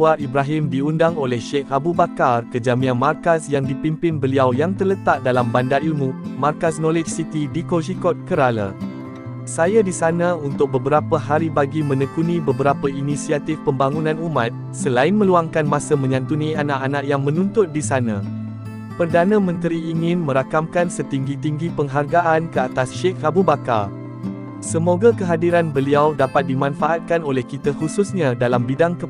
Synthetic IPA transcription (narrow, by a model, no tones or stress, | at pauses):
waibɾaɦɪmdiundaŋolɛhʃɛkabubakarkəd͡ʒamĩãnmarkasjaŋdipimpɪnbəliawjaŋt̪ərlət̪aʔ̚dalambandaɾilmũmarkasnɔled͡ʒsit̪idikod͡ʒikɔt̪̚kəɾala̰ | sajadisanãunt̪ʊk̚bəbəɾapəɦaɾibaɡimə̃nəkunĩbəbəɾapəinisiat̪ɪfpəmbaŋũnãnumãt̪̚ | səlaɪnmə̃luaŋkanmãsəmə̃ɲãnt̪unĩanaʔanaʔjaŋmə̃nũnt̪ʊt̪̚disanã | pərdanãmə̃nt̪ɾiːŋɪ̃nmə̃ɾakamkansət̪iŋɡit̪iŋɡipəŋɦarɡaʔankəat̪asʃek̚rabubaka̰r | səmoɡakəɦadiɾanbəliawdapat̪̚dimãnfaʔat̪̚kanolɛhkit̪ahususɲãdalambidaŋkə